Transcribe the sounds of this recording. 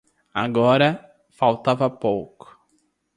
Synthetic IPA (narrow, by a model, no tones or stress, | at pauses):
a̰ɡɔɾɐ | fawt̪avɐpowkʊ̥